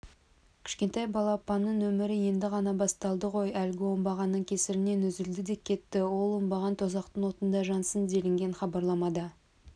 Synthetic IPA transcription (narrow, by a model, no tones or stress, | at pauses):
kʲʰɪ̥ʃkʲe̞nt̪ɑjbɑlˠɑpɑnːəɴwɵmɪɾɪje̞nd̪ɪʁɑnɑbɑst̪ɑlˠd̪əʁo̞jælɡʲɪwo̞mbɑʁɑnːəɴkʲʰe̞sɪɾɪne̞nɵzɪld̪ɪd̪e̞kʲʰːe̞t̪ːɪwo̞lˠwo̞mbɑʁɑnt̪ʰo̞zɑqt̪ənwo̞t̪ənd̪ɑʒɑnsənd̪e̞lɪŋɡʲe̞nχɑbɑɾlˠɑmɑd̪ɑ